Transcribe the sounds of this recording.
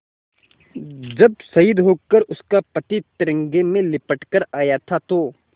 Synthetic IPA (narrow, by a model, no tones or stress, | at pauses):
d͡ʒɐb̚sɐɪd̪ɦoːkəɾʊskapɐt̪it̪ɪɾə̃ŋɡemẽlɪpəʈkəɾaːjat̪ʰat̪oː